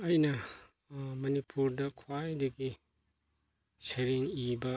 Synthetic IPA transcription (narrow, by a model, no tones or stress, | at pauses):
ɐjnɐ | mɐnipuɾdɐkʰwajdɐɡi | seɾeŋibɐ